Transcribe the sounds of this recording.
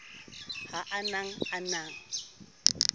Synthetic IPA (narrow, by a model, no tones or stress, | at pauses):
haʔanaŋanaŋ̩